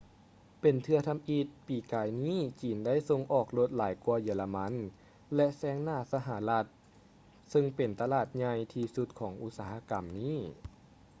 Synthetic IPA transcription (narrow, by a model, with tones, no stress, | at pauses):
pe˨˩nt̪ʰɯ˧ɐt̪ʰa˧mʔi˧t̪̚piː˨˩kaː˨˩jniː˥˨t͡ɕiː˨˩nda˥˨jso˧ŋʔɔː˨˩k̚lo˧t̪̚laː˨˩˦jkuː˧ɐjɯ˧˦la˧ma˧˥n | lɛ˧ʔsɛː˧˩ŋnaː˥˩sa˧ɦa˨˦la˧t̪̚ | sɯ˧ŋpe˨˩nt̪a˧laː˨˩t̪̚ɲa˧jt̪ʰiː˧su˧˥t̪̚kʰɔː˩˦ŋʔu˧t̪̚saː˨˩˦ɦa˧ka˨˩mniː˥˨